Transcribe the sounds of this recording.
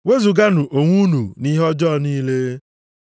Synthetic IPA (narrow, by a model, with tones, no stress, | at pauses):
we˦zu˨ɡa˦nu˨ʔo˨ŋʷu˦nu˨ni˦ɦɔ˦d͡ʒɔː˦˨niː˦le˦